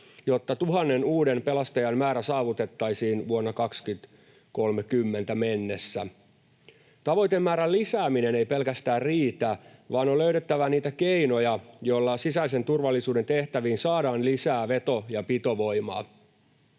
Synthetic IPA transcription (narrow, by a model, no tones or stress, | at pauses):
jo̞t̪ːɑt̪uɦɑnːe̞nuːde̞mpe̞lɑst̪ɑjɑnmæːɾæsɑːʋut̪e̞t̪ːɑjsiːnʋuonːɑkɑkskyt̪ | ko̞lmekymːe̞nt̪æmenːesːæ̰ | t̪ɑʋo̞jt̪e̞mːæːɾællisæːmine̞ne̞jpe̞lkæst̪æːrriːt̪æʋɑːno̞løyɾet̪ːæʋæniːt̪ækeino̞jɑjo̞lːɑsisæise̞nt̪urʋɑlːisuːdent̪e̞ht̪æʋiːnsɑːdɑːnlisæːʋe̞t̪o̞jɑpit̪o̞ʋo̞jmɑ̰ː